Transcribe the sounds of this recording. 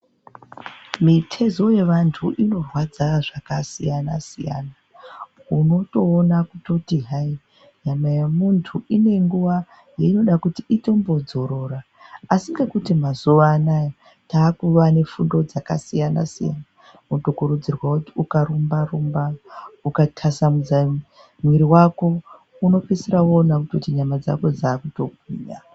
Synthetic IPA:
mitʰe̞zo̞je̞ʋantʰuʔino̞rwad͡zaʐakasijana̰sḭja̰ːna | uno̞to̞ːnakuto̞tiɦai | ɲamajamuntʰuʔine̞ŋɡuʋa | jeino̞ɗakutiito̞mbo̞d͡zo̞ɾo̞ra | asiŋɡekutimazuʋanaja | taːkuʋane̞fundo̞d͡zakasijana̰sija̰na | mutokuɾud͡zirwakutiukaɾumbarumbaukatʰasamud͡za | mwiɾiwako̞ | uno̞pisirawoːnakuto̞tiɲamad͡za̰ko̞d͡zaːkuto̞ɡʱwḭːɲa

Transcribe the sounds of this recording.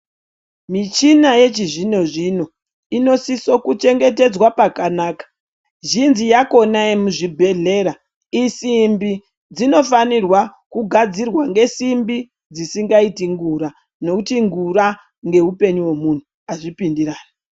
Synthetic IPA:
mit͡ʃinaje̞t͡ʃiʐino̞ʐino̞ | ino̞siso̞kut͡ʃe̞ŋɡe̞te̞d͡zwapakanaːkḁ | ʒinzijako̞naimuʐibʱe̞ɮe̞ɾa | isimbi | d͡zino̞fanirwa | kuɡʱad͡zirwaŋɡe̞simbi | d͡zisiŋɡaitiŋɡuɾa | no̞kutiŋɡuɾa | ŋɡe̞ɦupe̞ɲuwomun̤u | aʐipindiɾaːni

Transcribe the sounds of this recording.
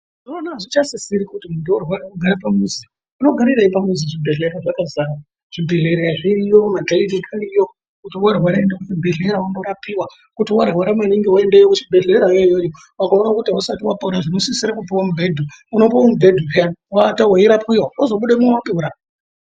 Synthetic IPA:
ʐoonaʐit͡ʃasisiɾikutimundiworwaɾakuɡʱaɾapamuzi | unoɡʱaɾiɾaipamuziʐibʱeɮeɾaʐakazaːɾa | ʐ̥ibʱe̞ɮe̞ɾeaʐiɾijomadʱaidikʰandijo | kutiwarwaɾaendakutibʱe̞ɮeɾaunoɾapiwa | kutiwarwaɾamaniŋɡiwaendejokut͡ʃibʱe̞ɮeɾajojojo | wakaonakutiausatiwapoɾaʐinosisiɾakupawomubʱedʱuuno̞pawomubʱe̞dʱupeawatawajiɾapuiwaozo̞ɓuɗamuowapiuɾa

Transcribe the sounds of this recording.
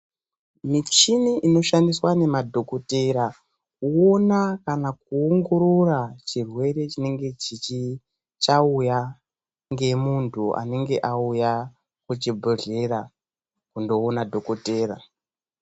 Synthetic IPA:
mit͡ʃiniʔino̞ʃandiswane̞madʱo̞koteɾa | kuonakanak̚uoŋɡo̞ɾorat͡ʃirwe̞ɾe̞t͡ʃine̞ŋɡe̞t͡ʃit͡ʃi | t͡ʃauja | ŋɡe̞muntʰuʔa̰ne̞ŋɡe̞ʔauja | kut͡ʃibʱoɮe̞ɾa | kundo̞ːnadʱo̞kote̞ːra̰

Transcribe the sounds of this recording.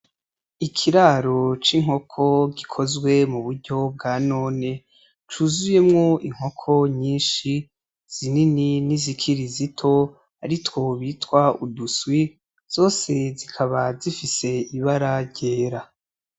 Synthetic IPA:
ikʰiɾaɾo̞t͡ʃiŋ̥ho̞kʰo̞ɡikʰo̞zɡwe̞muβuɾɟo̞b̚ɡaːno̞ːne̞ | t͡ʃuːzuje̞mŋo̞ʔiŋ̥ho̞kʰo̞ɲiːnʃi | z̥inininizikʰiɾizitʰo̞ | aɾitwo̞βiːtwauduswi | z̥o̞ːse̞zikʰaβazifise̞iβaɾaɟeːɾa

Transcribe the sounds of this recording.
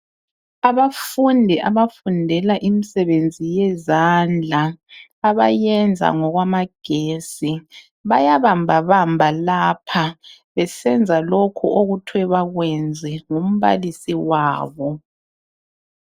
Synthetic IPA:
aβafundʱiʔaβafundʱɛlaʔimisɛβend͡zʱijɛzand͡ɮʱaː | βa̰jɛnd͡zʱa̰ŋɔɣwamaɡ̥ʱeːsi | βajaβambʱaβambʱalapʰa | βɛsɛnd͡zʱalokʰuoɣutʰwɛβaɣwɛnd͡zʱɛŋum̩βa̰lisiwaːβɔ

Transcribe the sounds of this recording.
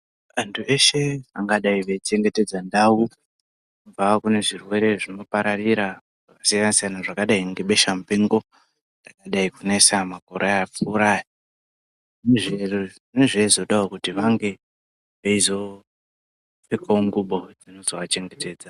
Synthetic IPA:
antʰue̞ʃe̞aŋɡaɗaiʋet͡ʃe̞ŋɡe̞te̞d͡zandau | uvakune̞ʐirwe̞ɾe̞ʐino̞paɾariɾa | ʐ̥akasijanasijanaʐakaɗaiŋɡe̞ɓe̞ʃamupeŋɡo̞ | ndakaɗaikunesamako̞ɾeaap͡fuːɾaːja | neʐer | neʐezo̞ɗaokutiʋaŋɡe̞ | ʋeizo̞ | fekʰaoŋɡuɓo̞d͡zino̞zoʋat͡ʃe̞ŋɡe̞te̞ːd͡za

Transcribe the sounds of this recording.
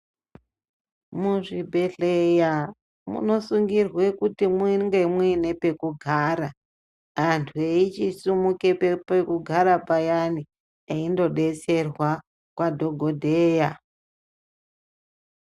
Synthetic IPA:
muʐibʱe̞ɬeja | mṵno̞suŋɡirwekutimiŋɡe̞muine̞pe̞kuɡʱaːɾa | ɦantʰueit͡ʃisumukepepekuɡʱaɾapajani | eindo̞ɗe̞t͡se̞rwa | kwadʱo̞ɡʱo̞dʱeːja

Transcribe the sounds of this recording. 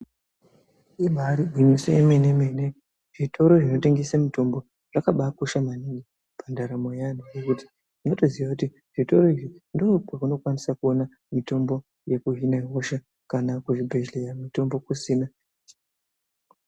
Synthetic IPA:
iɓaɾiɡʱwiɲiseemeneme̞ne̞ | ʐitʰo̞ɾo̞ʐino̞te̞ŋɡesamito̞mbo̞ | ʐ̥akaɓakoʃamaniŋɡi | pʰandaɾamo̞janujekuti̥ | ʐinoto̞ziʋakuti | ʐ̥ito̞ɾo̞iʐindopakuno̞kwanisakuona | mito̞mbo̞ | jekuɦinaiɦo̞ʃa | kanakuʐibʱeʒlejamito̞mbo̞kusiːna

